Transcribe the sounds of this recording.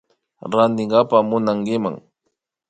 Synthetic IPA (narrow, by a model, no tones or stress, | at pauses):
ɾand̪ɪɴɢɑpamʊnaŋkɪma̰ŋ